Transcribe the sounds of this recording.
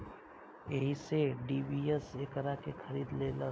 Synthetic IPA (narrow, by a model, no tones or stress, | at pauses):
eːɦiseɖiːbieseːkəɾakexʰɐɾiːd̪lelə